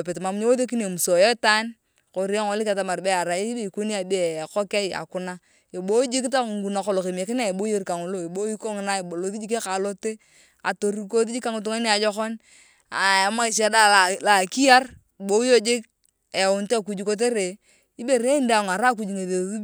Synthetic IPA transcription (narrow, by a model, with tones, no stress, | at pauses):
pɪ˨tma˨m˦ɲo˦wo˦ðe˦k̬i˦ne˨mu˨so˨je˦ta˦n | ko˨ɾi˦a˦ŋo˦lɪ˦ka˨ta˨ma˨ɾbɛ˦a˨ɾa˨˦be˦˨ko˦ni˦a˨de˦˨kɔ˦ke˦a̰˨kʊ˨˦na˦ | e˨bo˦d͡ʒi˦k̬ta˦˨ŋɡu˨na˨ko˨lo˨ke˨m˨e˨kɪ˦n˦a˦˨e˨bo˦je˦ɾka˨ŋʊ˨lo˦˨e˨bo˦i˦ko˦ŋ˨na˦˨o˨lo˨ði˦d͡ʒi˦k̬e˦ka˨lo˦te˦ | a̰˨to˨ɾi˦˨ko˦ði˦d͡ʒi˦ka˦ŋʊ˨t̬u˦ŋe˦ni˦a˨d͡ʒɔ˦kɔ˦n | a˨a˨ma˦i˨ʃ̬a˦da˦la˨la˨ki˦a˦r | bo˦jo˦d͡ʒɪ˦k̚ | e˨ʊ˨nte˦˨k̬u˨d͡ʒi˨ko˦t̬e˦ɾe˨ | i˦be˨ɾe˦nda˨ŋa˨ɾa˦k̬u˦d͡ʒi˨ŋe˨ðe˨˦u˦